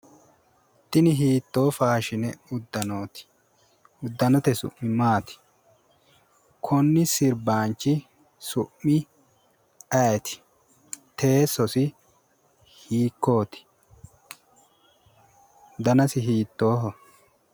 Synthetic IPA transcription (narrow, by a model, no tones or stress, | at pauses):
t̪ːɪnɪɦiːt̪ːo̞ːfaːʃɪnɛʊd̪ːɐnoːt̪ɪ̥ | ʊd̪ːɐnɔt̪ɛsʊ̰ʔːɪmaːt̪ɪ̥ | kʰɔnːɪsɪɾbaːnt͡ʃːɪ | sʊʔːɪ | ɐjɛt̪ɪ̥ | t̪e̞ːsɔsɪ | hiːkːo̞ːt̪ɪ̥ | d̪ɐnɐsɪɦiːt̪ːoːɦɔ